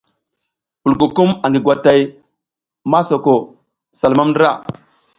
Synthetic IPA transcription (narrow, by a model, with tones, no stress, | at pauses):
pu˨lko˨ku˦ma˨ŋɡi˨ɡwa˨ta˨j | ma˦so˨ko˨ | sa˨lma˦mndə˦ɾa̰˦˨